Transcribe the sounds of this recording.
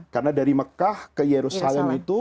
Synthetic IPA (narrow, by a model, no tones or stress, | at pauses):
karnadaɾiməkahkəjeɾusalɛmit̪u